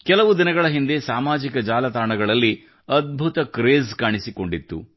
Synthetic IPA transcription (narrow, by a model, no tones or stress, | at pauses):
kɛlɐʋud̪inɐɡɐɭɐɦind̪esaːmaːd͡ʒikɐd͡ʒaːlɐt̪aːɳɐɡɐɭɐlːi | ɐd̪̚bʱut̪ɐkɾeːzkaːɳisiko̞ɳɖit̪ːṵ